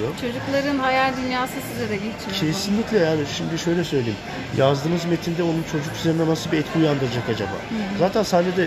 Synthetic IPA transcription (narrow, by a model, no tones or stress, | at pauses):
jot͡ʃʰo̞d͡ʒuklˠaɾɯnɦajalʲd̪ynjaːsɯsɯd̪aɾailʲt͡ʃʰicʰesinlʲicʲlʲɛjaːniʃimd̪iʃø̞jlʲɛsø̞jlʲeim | jʔazd̪ɯːmɯzmet̪ʰind̪ɛonunt͡ʃʰo̞d͡ʒukyzɛɾinamasɯbiɛt̪kʰijand̪ɯɾad͡ʒakad͡ʒa̰ba̰ːzaːt̪ʰænsanːed̪ɛ